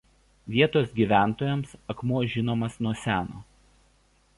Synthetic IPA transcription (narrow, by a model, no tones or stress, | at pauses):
ʋʲiɛt̪oːsɡʲiːʋʲæˑnˑt̪oːjɛmsɐkmuɔʒʲɪnoːmɐsnuɔsʲæːno̰ː